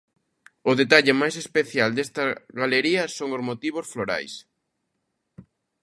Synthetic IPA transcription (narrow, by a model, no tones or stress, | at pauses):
ʊðet̪aʎɪmajsespeθjald̪est̪ɐɣaleɾiɐsoŋʊzmot̪iβ̞osfloɾa̰js